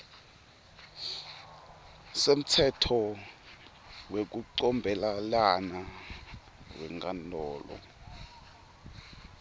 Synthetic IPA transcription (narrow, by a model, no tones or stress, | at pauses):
sem̩tʰɛtʰɔ | wek̬uǀɔmbʱɛlalana | wɛ̰ŋkandʱɔːlɔ̰